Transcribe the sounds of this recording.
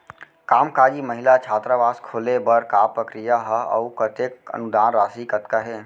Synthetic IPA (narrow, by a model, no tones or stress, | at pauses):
kaːmkaːd͡ʒiməɦɪlat͡ʃʰaːt̪ɾabaːskʰoːlebəɾkaːpɾəkɾijaɦəə̰upət̪ekə̰nʊd̪aːnɾaːsikət̪kaɦeː